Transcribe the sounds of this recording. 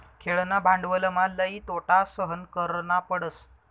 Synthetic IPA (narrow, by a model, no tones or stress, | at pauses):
kʰeɭnabʱãɳɖʋələmalːəiːt̪oʈasəɦənkəɾnapəɽəs